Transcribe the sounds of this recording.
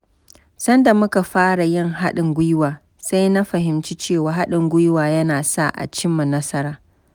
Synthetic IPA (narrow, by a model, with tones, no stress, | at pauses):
sɐ˦nda˨mʊ˦ka˨ɸaː˦ɽa˨jɪ˦˨ŋɦa˦ɗɪ˨ŋɡʷʊ˦jwaː˨ | sa˦jna˦ɸɐ˨ɦɪ˨mt͡ʃiː˦t͡ʃeː˦˨waː˨ɦa˦ɗɪ˨ŋɡʷʊ˦jwaː˨jɐ˦naː˨sa̰˦˨ʔa̰˨t͡ʃɪ˦mːa˨nɐ˦sɐ˦ɾaː˨